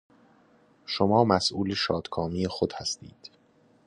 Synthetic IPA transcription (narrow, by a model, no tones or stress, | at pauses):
ʃomɒːmæsʔuːleʃɒːd̪̥kʰɒːmijexod̪̥hæst̪ḭːd̪̥